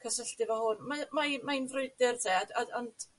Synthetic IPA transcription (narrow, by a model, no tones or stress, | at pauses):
kʰəsəɬtɪvɔhʊnmamajmaɪnvrʊɨdɪrðeadaɔnd